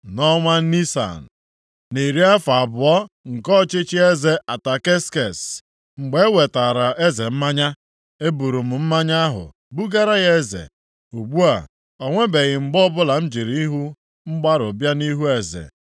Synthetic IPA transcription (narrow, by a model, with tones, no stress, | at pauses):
nɔ˦ŋʷa˦ni˦sa̰˨n̩˨ | ne˨ɾi˦a˦fa˨a˨bʊ˨ɔ˦ | ŋ̩˨kɔ˦t͡ʃe˦t͡ʃi˦e˦ze˦ʔa˨ta˨ke˦ske˨s | ŋ͡m̩˨ɡ͡be˦we˨ta˨ɾa˨ʔe˦ze˨m̩˦ma˦ɲa˦ | e˦bu˨ɾu˨m̩˨m̩˦ma˦ɲa˦ɦʊ̰˨ | bu˦ɡa˦ɾa˦ɣe˦zḛ˨ | u˨ɡ͡bu˦a̰˨ | ɔ˨ŋʷe˦be˨ɣɪ˨ŋ͡m̩˨ɡ͡bɔ˦bʊ˦la˨n̩˦d͡ʒe˨ɾi˨˦i˦ɦu˦ | ŋ͡m̩˦ɡ͡ba˦ɾʊ˨bja˦ni˦ɦu˦e˨zḛ˨